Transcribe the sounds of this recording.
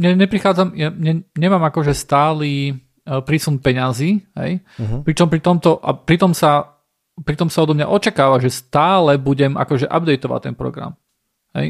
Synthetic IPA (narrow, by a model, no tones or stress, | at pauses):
ɲɛɲɛpɾixaːd͡zamjaɲɛɲɛmaːmakɔʒɛst̪aːliː | pɾisunpɛɲaziːɦɛ̰jpɾit͡ʃɔmpɾit̪ɔmt̪ɔʔa̰pɾit̪ɔmsa | pɾit̪ɔmsaɔd̪ɔmɲa̰ʔɔt͡ʃakaːʋaʒɛst̪aːlɛbuɟɛma̰kɔʒɛʔabd̪ɛjt̪ɔʋa̰ct̪ːɛnpɾɔ̰ɡɾa̰m | ɦɛ̰j